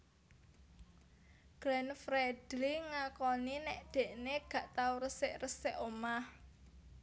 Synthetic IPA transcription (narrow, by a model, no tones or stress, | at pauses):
ɡ̥ɾɛnfɾɛd̪̥liŋakɔninɛʔd̪̥e̤ʔneɡ̥ä̤ʔt̪awɾəsɪʔrəsɪʔomah